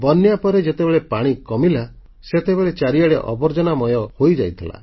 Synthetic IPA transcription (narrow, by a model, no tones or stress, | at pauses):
bɔnjapɔɾed͡ʒet̪ebeɭepaɽ̃ikɔmila | set̪ebeɭet͡ʃaɾiaɽeʔɔ̰bɔɾd͡ʒɔnamɔjɔhojd͡ʒajt̪ʰila̰